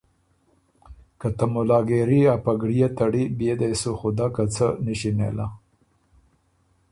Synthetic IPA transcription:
kat̪amʊlɑɡeɾiapaɡɽijat̪aɽibjed̪ajsuxod̪akat͡sənəʃinḛla

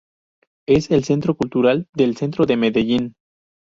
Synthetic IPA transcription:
e̞se̞lse̞nt̪ɾo̞kult̪uɾald̪e̞lse̞nt̪ɾoðe̞meðeʝin

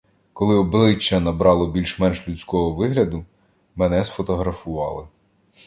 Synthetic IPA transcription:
kɔlˠɪɔblˠɪt͡ʃːɐnɐbɾɑlˠɔbʲilʲʃmɛnʃlʲut͡sʲkɔɦɔʋɪɦlʲɐd̪ʊ | mɛnɛsfɔt̪ɔɦɾɐfʊʋɑ̰lˠɪ

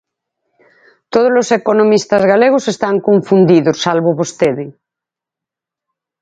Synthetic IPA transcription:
t̪oð̞ozlosekonomist̪azɣaleɣ̞osest̪aŋkoɱfund̪iðosːalβoβost̪eðɪ

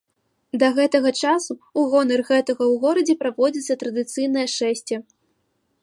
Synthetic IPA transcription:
d̪ɐɣɛt̪ɐɣɐt͡ʂasuːɣɔnɐrɣɛt̪ɐɣɐwɣɔɾɐd͡zʲɛpɾavɔd͡zʲit̪sːɐt̪ɾɐd̪ɨt̪sɨjnɐjɐʂɛsʲt͡sʲɛ

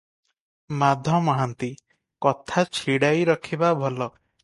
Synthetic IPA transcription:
mad̪ʱɔmɔɦant̪i | kɔt̪ʰat͡ʃʰiɽajɾɔkʰibabʱɔlɔ

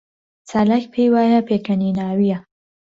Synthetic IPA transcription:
t͡saːlakpʰejwaːjapekɐninaːwija

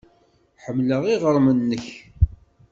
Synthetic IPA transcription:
ħəmːləʁiʁəɾˤmənːəç

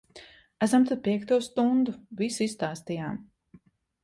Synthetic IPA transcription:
æs̬amt̪ad̪̚piɛkt̪uɔst̪und̪uvisist̪aːst̪ijaːm

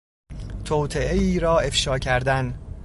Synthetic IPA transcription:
t̪ʰoːt̪ʰeʔeiːɾɒːe̞fʃɒːcʰæɾd̪æn

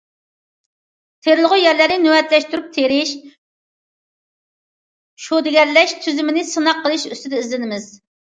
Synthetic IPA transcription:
t̪ʰeɾɪlˠəʁʊjɛɾlæɾnɪnøwɛt̪lɛʃt̪yɾyp̚t̪ʰeɾɪʃ | ʃod̪ɪɡʲɛɾlɛʃt̪ʰyzymɪnɪsɨnɑqːəlˠɨʃyst̪ɪd̪ɛizlɪnɪmɪz̥

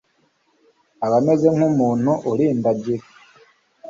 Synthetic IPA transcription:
aβame̞ze̞ŋ̥umuːn̥huʔuliːndaɟiɾe

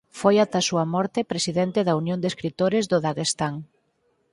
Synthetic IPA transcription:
fojat̪ɐsuɐmɔɾt̪ɪpɾesiðɛnt̪ɪðɐunjõnd̪eskɾit̪oɾɪzðʊðaɣest̪aŋ

